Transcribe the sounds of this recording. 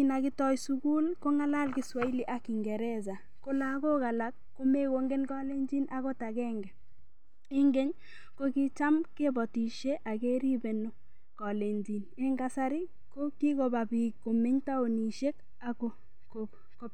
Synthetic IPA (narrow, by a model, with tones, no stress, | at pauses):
ina˨ki˦tɔ˦jsuku˦lko˦ŋa˦la˦lki˦swa˦i˦li˦ʔa˦kːi˨ŋɡɛ˨ɾɛza˨ | ko˦la˦ko˦ka˨la˦k̚ːo˦me˦ko˨ŋɡe˦nkɔ˦le˦nd͡ʒi˦nʔa˦ɣo˦ta˨kɛː˦ŋɡɛ˨ | i˦ŋɡe˦ɲ | ko˦ki˦t͡ʃa˦mke˦bɔ˨ti˨ʃe˦ʔa˨ke˦ɾi˦be˨no˦ | kɔ˨le˨nd͡ʒi˨ne˦ŋɡa˦sa˦ɾi˦ | ko˦ki˦ko˨ba˨bi˨kko˨me˦ɲta˦o˨ni˨ʃe˦k | a˨ko˦ | ko | ko˦